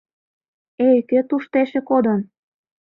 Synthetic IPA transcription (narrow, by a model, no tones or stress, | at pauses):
ekøt̪uʃt̪eʃĕkod̪ɤn